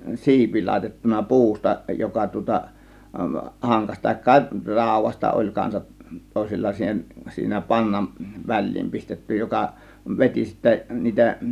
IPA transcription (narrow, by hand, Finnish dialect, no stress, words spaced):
si̞ipi lɑˑe̝tetːunɑ pu̞ustɑ jokɑ tŭŏtɑ hɑŋkɑsʲ tɑˑe̝kːɑ rɑˑo̝ʋˑɑstɑ olʲ kɑnsɑt toˑe̝silːɑ siːhen siːnæ pɑŋːɑm ʋæl̆ʲliːm pistetːy jokɑ ʋeti sitːæ niːtæ